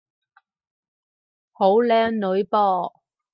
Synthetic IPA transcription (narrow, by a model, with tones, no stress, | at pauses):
ho˨˥wlɛː˧˥ŋnɵ˨˥ɥpɔː˧˩